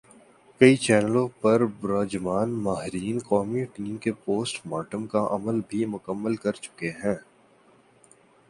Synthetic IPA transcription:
kɐit͡ʃɛːnəlõpɐɾbɾɔːd͡ʒmaːnmaːɦɪɾiːnqɔːmiʈiːmkepoːsʈmaːʈəmkaʔɐməlbʱimʊkəmːəlkɐɾt͡ʃʊ̥keɦɛ̃ː

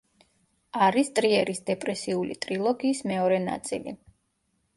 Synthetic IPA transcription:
aɾist̪ʼɾiɛɾisd̪ɛpʼɾɛsiulḭt̪ʼɾilˠɔɡiːsmɛɔɾɛna̰t̪sʼḭlḭ

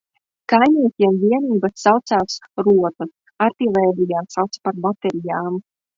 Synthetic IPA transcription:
kajnʲiɛt̪ʲiɛmvʲiɛniːbasːawt̪saːsɾuɔt̪us | aɾt̪ivɛːd̪ijaːsawt̪spaɾbat̪ɛɾijaːm

